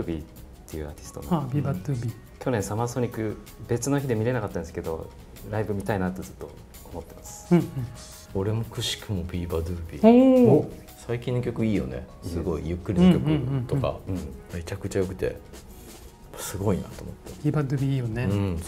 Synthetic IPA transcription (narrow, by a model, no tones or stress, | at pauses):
bʲitt̪ːe̞jɯ̟aːt̪ʲi̥sɨ̥t̪o̞nabʲibad̪ɯbʲi | kʲo̞nẽ̞ɰ̃samaso̞ɲ̟ikɯ̟ | be̞t͡sɨno̞çʲid̪e̞mʲiɾe̞nakat̪ːãnesɨ̥ke̞d̪o̞̰ | ɾaibɯ̟mʲit̪ainat̪ːo̞zɨt̪ːo̞̰ː | mo̞t̪ːe̞masɨ̥̃ | oɾe̞mokɯ̟ɕi̥kɯ̟mo̞bʲiːbad̪ɯbʲḭo | saikʲĩnːokʲo̞kɯ̟iːjo̞̰ne̞̰sɨɡo̞ijɯ̟kːɯ̟ɾʲinõkokɯ̃t̪o̞ka̰ɯ̃me̞t͡ɕakɯ̟t͡ɕajo̞kɯ̟̥t̪e̞̰ | pːasɨɡo̞ina̰t̪oːmot̪ːeibad̪ɯbʲijoneɯ̃